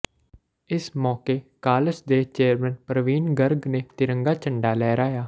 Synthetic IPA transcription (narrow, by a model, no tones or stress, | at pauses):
ɪsmɔːkeːkaːləsd̪eːt͡ʃeːəɾmɛ̃ːnpɾəʋiːnɡəɾɡneːt̪ɪɾə̃ŋɡaːt͡ʃəɳɖaːlɛːɾaːjaː